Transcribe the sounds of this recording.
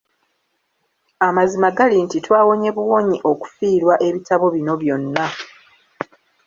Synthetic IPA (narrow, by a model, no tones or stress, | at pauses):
amazimaɡalintitwaːwo̞ɲe̞βuwo̞ːɲiʔo̞ku̥fiːɾwaʔe̞βitaβo̞βino̞βjo̞nːa